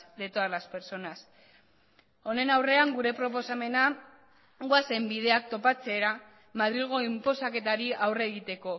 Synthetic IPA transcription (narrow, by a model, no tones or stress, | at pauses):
d̪e̞t̪oalaspeɾt͡so̞nas | o̞ne̞nawre̞aŋɡuɾe̞pɾo̞p̬o̞same̞na | ɡwase̞mbið̞e̞ak̚t̪o̞pat͡se̞ɾa | maðɾiɣ̞o̞impo̞sake̞t̪aɾiawre̞ɣit̪e̞ko̞